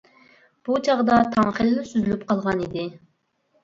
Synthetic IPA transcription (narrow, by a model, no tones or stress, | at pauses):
b̥ut͡ʃʰɑʁd̪ɑt̪ʰɑŋχelɪnɪsyzylyp̚qʰɑlˠʁɑnid̪ɪ